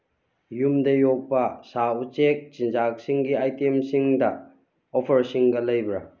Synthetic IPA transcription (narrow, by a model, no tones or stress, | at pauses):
jumdɐjok̚pɐsaut͡ʃek̚t͡ʃind͡ʒak̚siŋɡiajtemsiŋdɐ | opʰɐɾsiŋɡɐlɐjbɾɐ